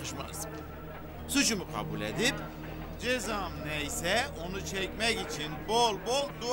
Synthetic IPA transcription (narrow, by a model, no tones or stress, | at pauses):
ɯʃma̰z̥ | sut͡ʃʰumukʰa̰bulʲḛd̪ip | d͡ʒezamnejsɛo̞nut͡ʃʰɛcmɛcit͡ʃʰinbolˠbolˠd̪u